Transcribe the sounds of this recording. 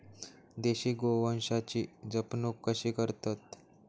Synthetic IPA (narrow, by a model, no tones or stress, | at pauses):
d̪eɕiːɡoʋənɕat͡ɕiːd͡zəpnokːəɕiːkəɾt̪at̪